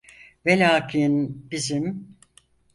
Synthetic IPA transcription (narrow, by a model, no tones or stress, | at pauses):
velʲaːkʰinbizim